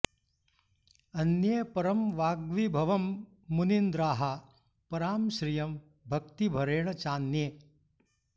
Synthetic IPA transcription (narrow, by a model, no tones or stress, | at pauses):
ɐnjɐpɐɾɐmʋaːɡʋibʱɐʋɐmː | unind̪ɾaːɦa | pɐɾaːmʃɾijɐm | bʱɐk̚t̪ibʱɐɾeːɳɐt͡ʃaːnjeː